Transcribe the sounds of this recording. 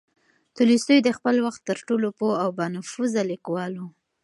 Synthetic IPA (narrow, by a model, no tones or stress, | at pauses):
t̪ulist̪ujd̪əxpəlwaxt̪ːəɾʈolopoawbɑnafuzalikwɑlu